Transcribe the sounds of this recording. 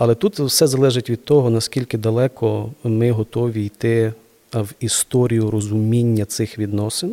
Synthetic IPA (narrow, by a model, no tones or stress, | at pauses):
ɐlˠɛt̪ut̪wsɛzɐlˠɛʒɪtʲʋʲid̪̚t̪ɔɦɔnɐskʲilʲkɪd̪ɐlˠɛkɔmɪɦɔt̪ɔʋʲijt̪ɪ | wist̪ɔɾʲijʊɾɔzʊmʲinʲːɐt̪sɪxʋʲid̪nɔsɪn